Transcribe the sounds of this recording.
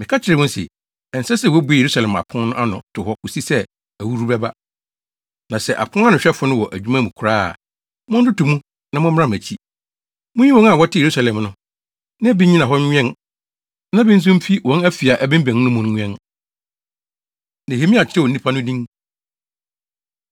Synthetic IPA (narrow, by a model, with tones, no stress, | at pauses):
mɪ̃˨kʰa˦t͡ɕʰɪ˨ɾɪ˨ɔ̃˦n˦sɪ̰˨ | ɛ˨n̩˨sɛ˦sɛ˦wæ˦bu˨e˨je˨ɾu˦sa˨lɛ̃˨ma̰˨pʰʊ̃˦n˦nʊ̃˦ʔa˦nʊ̰̃˨tʰʊ˨hɔ˦kʊ˨si˦sɛ˦ | æ˨wu˦ɾu˦bɛ˦ba˦ | nã˨sɛ˦˨ʔa̰˨pʰʊ̃˦n˦a˦nʊ̃˨ɕᶣɛ˦fʊ˨nʊ̃˦wɔ˨ʔæ˨d͡ʑᶣu˦mã˦mũ˨kʰɾa̰ː˦˨ | mʊ̃˦n̩˦dʊ˦tʊ˨mũ˦ | nã˨mʊ̃˦m˦a˦m̃˨æ˨t͡ɕʰi˦ | mʊ̃˦ɲĩ˦wɔ̃˦na˨wɔ˦tʰɪ˦je˨ɾu˦sa˨lɛ̃˨mnʊ̃˦ | nã˦bi˦ɲĩ˦nã˨ɦɔ˦ɲ̃ᶣ˦ɛ̃˦n | nã˦bɪ˦n˦s̬ʊ̃˦m̩˦fi˦wɔ̃˨˦næ˦fi˨a˨ʔæ˨bɛ̃˦m̩˦bæ̃˨n˦nʊ̃˦mʊ̃˨n˦ɲ̃ᶣ˦ɛ̃˦n | nẽ˨he˨˦mĩ˦a˨t͡ɕʰɪ˦ɛ˦˨nĩ˦pʰa˦nʊ̃˦dĩ˦ŋ